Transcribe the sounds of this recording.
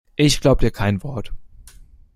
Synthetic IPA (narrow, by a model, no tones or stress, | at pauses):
ʔɪçɡ̥laʊbəd̥iːɐkʰaɪnvɔɐt